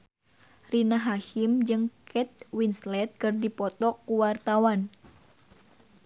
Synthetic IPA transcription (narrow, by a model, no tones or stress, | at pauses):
rinaɦahimd͡ʒɨŋkʰɛt̪̚winslɛt̪̚kɨrdipɔt̪ɔkːuwart̪awan